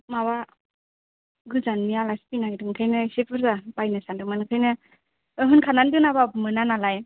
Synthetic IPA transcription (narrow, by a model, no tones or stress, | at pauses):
mawa | ɡɯzanmialaspinaɡidɯŋkʰɯjnɯsepʰɯɾzab̥ajnɯsandɯmankʰɯjnɯ | ɯɦɯnkʰanandɯnaβabmɯnanalaj